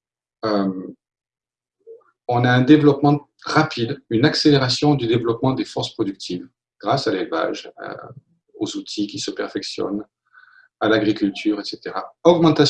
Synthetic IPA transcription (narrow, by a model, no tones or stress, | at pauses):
øm | ɔ̃naɛ̃d̪evlɔpmɑ̃ | ʁapʰid̪ynakseleʁasjɔ̃d̪yd̪evlɔpmɑ̃d̪efɔʁspχɔd̪yk̚t̪ʰiv | ɡ̥ʁasalelva̰ʒa̰ | ozut̪ʰikʲisəpɛʁfɛksjɔ̰n | alaɡʁikʲylt̪ʰyʁet̪set̪eʁaɔɡmɑ̃t̪as